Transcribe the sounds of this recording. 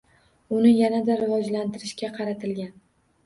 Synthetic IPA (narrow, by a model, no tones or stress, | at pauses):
ʊnɪjanad̪aɾɪvɒd͡ʒlant̪ʰɪɾɪʃkʲaqʰɑɾat̪ʰɪlɡʲan